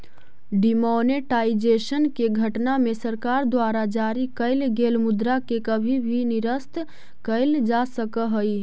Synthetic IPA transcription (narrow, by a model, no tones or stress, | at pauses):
ɖimoneʈaːid͡ʒeʃənkeɡʱəʈnamesəɾkaːɾd̪waːɾad͡ʒaːɾikəɪlɡeːlmʊd̪ɾakekəbʱibʱinɪɾəst̪ | kəɪld͡ʒasəkəɦəi